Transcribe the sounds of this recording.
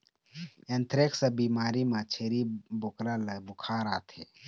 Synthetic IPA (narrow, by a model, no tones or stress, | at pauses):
ẽnt̪ʰɾɪksəbiːmaːɾimãt͡ʃʰeːɾibokɾaləbʊkʰaːɾaːt̪ʰeː